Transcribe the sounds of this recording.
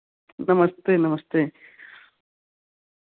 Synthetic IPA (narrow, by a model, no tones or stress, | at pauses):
nɐmɐst̪eːnɐmɐst̪eː